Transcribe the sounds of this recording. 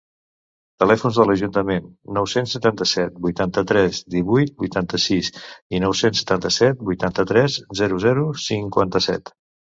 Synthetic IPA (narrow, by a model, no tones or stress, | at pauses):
t̪əlɛfunzðələʒunt̪əmenːɔwsensːət̪ant̪əsɛt̪̚bujt̪ant̪ət̪ɾɛzd̪iβujt̪̚bujt̪ant̪əsisinɔwsensːə̥t̪ant̪əsɛt̪̚bujt̪ant̪ət̪ɾɛzzɛɾuzɛɾusiŋkwant̪əsɛ̰t̪